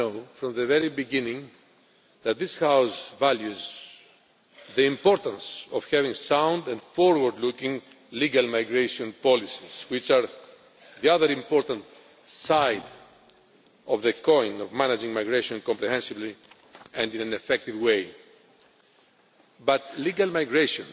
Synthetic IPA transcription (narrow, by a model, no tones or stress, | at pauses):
oʊfɾɔ̃mðɨvɛɹibiɡɪ̃nĩŋ | ðæt̪̚ðɪshaʊsvæljuz | ðiĩmpɔɾt̪ãnsɔv̥hɛvĩŋsãʊ̃nd̪ãnfɔɹwəɹd̪lukĩŋ | liɡalmajɡɹeʃɔ̃npɔlisiz̥wit͡ʃaɾ | ðiʌðəɾĩmpɔɾt̪ãnt̪ | sajd | ɔvðɨkʰɔ̃ɪ̃nɔvmænad͡ʒĩŋmajɡɹeʃɔ̃nkɔ̃mpɾihɛ̃nsɨvli | æ̃ndĩnãnɨfɛk̚t̪ivweɪ | bat̪liɡalmajɡɹeʃɔ̃n